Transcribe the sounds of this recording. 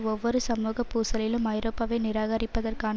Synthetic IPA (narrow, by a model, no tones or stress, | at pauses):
ɔʋːɔɾɯsɐmuːɣɐpːuːsɐlɪlɯmɐɪɾoːpːaːʋeːnɪɾaːɣɐɾɪpːɐðɐrkaːn